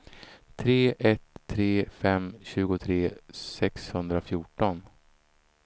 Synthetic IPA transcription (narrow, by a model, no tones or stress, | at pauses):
t̪ʰɾeːʔɛt̪ʰːɾeːfɛmɕʉ̟ːɡʊt̪ʰɾeːsɛkshɵnd̪ɾafjuːʈɔn